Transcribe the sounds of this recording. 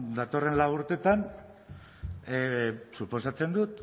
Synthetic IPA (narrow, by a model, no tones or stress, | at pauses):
d̪at̪o̞re̞nlawuɾt̪e̞t̪an | supo̞sat͡se̞nd̪ut̪